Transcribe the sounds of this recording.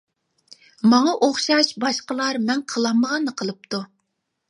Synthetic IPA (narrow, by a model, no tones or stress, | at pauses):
mɑŋɑʔoχʃɑʃbɑʃqəlˠɑɾmɛŋqʰəlˠɑmːəʁɑnːəqʰəlˠɨp̚t̪u